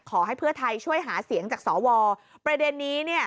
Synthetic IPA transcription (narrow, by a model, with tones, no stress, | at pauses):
kʰɔː˩˦ɦa˥˩jpʰɯ˥˩ɐt̪ʰa˧jt͡ɕʰu˥˩əjɦaː˩˦si˩˦əŋt͡ɕaː˨˩k̚sɔː˩˦wɔː˧ | pɾa˧de˧nːiː˦˥ni˥˩ɐə